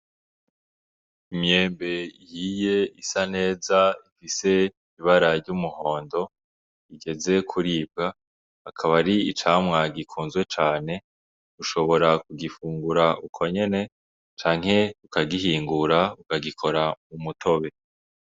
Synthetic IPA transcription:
imje̞ːmbe̞ihije̞isane̞ːzaifise̞ | iβaɾaɾɟumuho̞ːndo̞ | iɡe̞ze̞kʰuɾiːb̚ɡa | akʰaβaɾiit͡ʃaːmŋaɡikʰuːnzɡwe̞t͡ʃaːne̞ | ɡuʃo̞βo̞ɾakuɡifuːŋɡuɾaukʰo̞ɲe̞ne̞ | t͡ʃaːŋ̥ɦe̞ukaɡiɦiːŋɡuɾaukaɡikʰo̞ɾamumutʰo̞βe̞

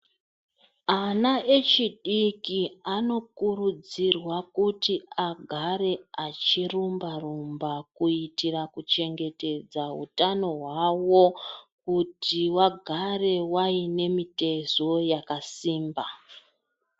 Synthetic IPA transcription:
anae̞t͡ʃiɗikiano̞kurud͡zirwakutiaɡʱaɾe̞at͡ʃirumbarumbakuitirakut͡ʃe̞ŋɡe̞te̞d͡zaɦṵtano̞ɦwawo̞kutiwaɡʱare̞waine̞mite̞zo̞jakasiːmba

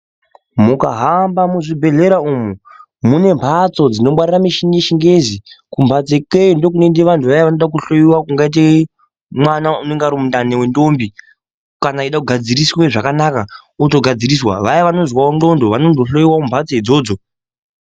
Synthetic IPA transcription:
mukaɦambamuʐibʱe̞ɮe̞ɾaumu | mune̞mpʰat͡so̞d͡zino̞mwaɾiramiʃiŋeʃiŋɡezikumbʱat͡sekeindo̞k̬unendeʋantʰuʋajaʋanoɗak̬uɬo̞jiwakuŋɡait̬e | mwanauneŋɡaɾomundanewendo̞mbi | kanaiɗakuɡʱad͡ziɾisweʐakanaka | utoɡʱad͡ziɾiswa̰ʋajaʋanozwaondo̞ndoʋanonoɬo̞jiwaumbʱat͡seɦid͡zo̞ːd͡zo̞

